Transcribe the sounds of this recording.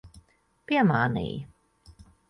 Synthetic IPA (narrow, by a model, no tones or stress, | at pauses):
piɛmaːnḭːj